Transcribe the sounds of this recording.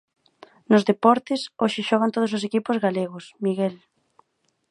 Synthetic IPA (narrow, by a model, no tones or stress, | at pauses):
nʊzðepɔɾt̪ɪsoʃɪʃɔɣ̞ant̪oðʊsos̬ekipʊzɣaleɣʊsmiɣɛl